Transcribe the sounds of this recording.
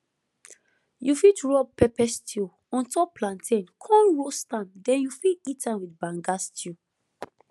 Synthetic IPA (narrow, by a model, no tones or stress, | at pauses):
jufitɹɔpɛpɛstʰi | ɔ̃ntɔpplãntʰẽnkʰɔ̃nɹostãmdɛ̃njufiitãmwidbãŋɡastu